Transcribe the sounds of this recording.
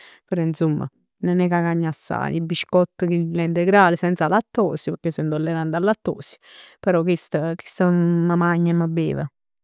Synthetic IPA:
pəɾɔinsumːə̰ | nenɛkakaɲːasːa̰ːjibːiʃkɔt̪ːəkilɛnt̪eɡɾaːlɪsɛnt̪salat̪ːɔːsipəɾkːesːənd̪olːeɾand̪alːat̪ːɔ̰ːsi̥pɛɾɔkist̪əki̥st̪əməmaɲːəməbḛːvə̰

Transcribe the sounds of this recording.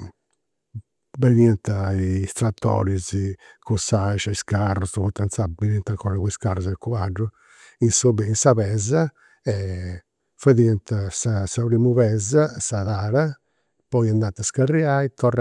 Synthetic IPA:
beniɛnt̪aist̪ɾat̪ːɔ̰ːɾizkusaʃaiskarːusput̪ːant̪sabenint̪aŋkʰɔːɾaɣuiskarːuzɛkuaɖːu | insobɛinsaβɛza | ɛ | faðiɛnt̪sasapɾiːmuβɛzasaðaːɾa | pɔjiand̪at̪ːaskarːiaːit̪ɔr

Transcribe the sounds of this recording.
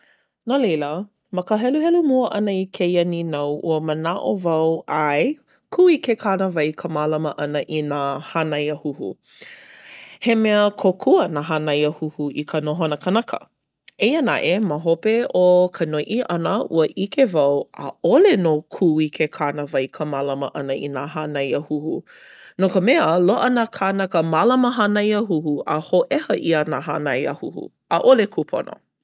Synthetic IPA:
nolejlə | məkəɦɛluɦɛlumuəʔɐnəikʰejɐninawʔṵəmənaʔovɐwaj | kʰuikekʰanəvɐjkʰəmaːlɐməʔɐnəʔinahanɐjəhuhṵ | hemɛəkʰokʰuənaɦanɐjəhuhuʔikʰənoɦonəkənakʰə̰ | ejəna̰ʔeməɦopeokʰənojʔiʔɐnəṵəʔikevɐwə̰olenokʰuikʰekʰanəvɐjkʰəmalɐməʔɐnəʔḭnaɦanɐjəhuhu | nokəmɛəloʔənakʰanɐkəmalɐməɦanɐjəɦuhuʔəhoʔɛhəʔiənaɦanɐjə̰huhṵ | ʔaʔolekʰupʰo̰no̰

